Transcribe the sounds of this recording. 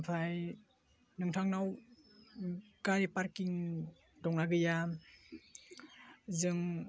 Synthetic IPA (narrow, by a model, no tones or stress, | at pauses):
pʰaj | nɯŋtʰaŋnaw | kaɾepaɾkiŋ | dɔŋnaɡɯja | zɯŋ